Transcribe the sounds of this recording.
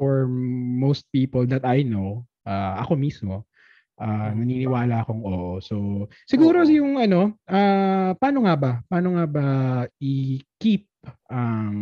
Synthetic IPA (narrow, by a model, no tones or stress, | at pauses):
oɹmowst̪̚piːpold̪ɐt̪ɐjno | ʔaːʔɐ̰ko̞mismo̞ | ʔanɐniːnɪwaːlɐɐko̞ŋʔoːʔoso | sɪɡuːɾo̞jʊŋɐno̞ʔapaːnoŋabɐpaːnoŋabɐʔɪkip̚ʔɐŋ